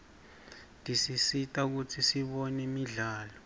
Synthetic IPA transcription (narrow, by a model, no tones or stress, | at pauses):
ndʱisisitʼauk̬ut͡sʰisiɓɔnimiɮaːlɔ